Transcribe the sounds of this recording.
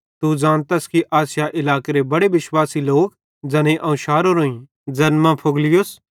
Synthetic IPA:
t̪ud͡zãːnt̪ɐskiʔaːsɪjaʔɪlaːkeɾebɐɽebɪʃwaːsiloːk | d͡zɐnẽʔɐ̃ʊʃaːɾoɾoːĩ | d͡ʒɐnmãpʰoɡlɪjos

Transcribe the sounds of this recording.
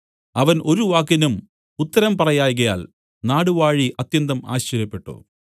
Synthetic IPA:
ɐʋɐnʔo̞ɾuʋaːkːɐnum | ut̪ːɐɾɐmpɐrɐjaːjɣɐja̰ːl | naːɽuʋaːɻiʔɐt̪jɐnd̪ɐma̰ːɕɐɾjɐpːe̞ʈːṵ

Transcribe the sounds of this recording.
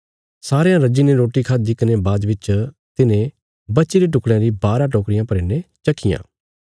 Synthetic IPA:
saːɾejãɾɐd͡ʒineɾoːʈikʰaːd̪ikənebaːd̪ʋɪt͡ʃ | t̪ɪnẽ | bɐtːʃiɾiʈ̬ʊkʰɽãɾibaːɾãʈ̬oːkɾɪjãpɐɾeːnet͡ʃɐkʰːɪjã̰ː

